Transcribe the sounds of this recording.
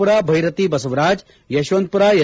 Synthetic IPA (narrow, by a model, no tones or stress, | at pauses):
uɾaːbʱɐjɾɐt̪iːbɐsɐʋɾaːd͡ʒ | jɐʃʋɐnt̪̚puɾaːjɐ